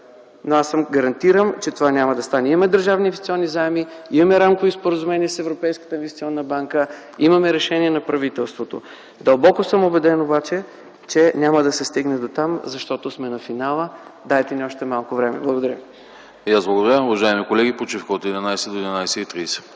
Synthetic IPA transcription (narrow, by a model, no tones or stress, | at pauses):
noasəmɡɐɾɐnt̪iɾəmt͡ʃɛt̪ovanʲamɐd̪ɐst̪anɛiɐmɛd̪əɾʒavniːnvɛssiɔnːizaɛmiimɐmɛɾamkovispoɾəzumɛniɛsɛvɾopɛjskə̥t̪əinvɛst̪ʲiɔnːəbaŋkə | imɐmɛɾɛʃɛniɛnɐpɾɐvit̪ɛlˠst̪vot̪o̰ | d̪ɐlˠbɔkosəmobɛd̪ɛnobat͡ʃɛ | t͡ʃɛnʲaməd̪ɐsɛst̪iɡnɛd̪ot̪amzɐʃt̪ɔt̪osmɛnɐfinalˠəd̪aɛt̪ɛniɔʃt̪ɛmalˠkovɾɛmɛ̰blˠəɡod̪ɐɾʲə | jaszblˠɐɡod̪ɐɾʲamʊvɐʒaɛmikolɛɡʲipot͡ʃifkəot̪ɛd̪inajsɛd̪oɛd̪inajsɛit̪ɾiːsɛ̥